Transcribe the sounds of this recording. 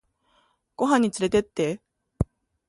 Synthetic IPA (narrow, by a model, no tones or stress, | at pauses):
koɦaɲit͡sɯɾe̞t̪et̪͈ːe̞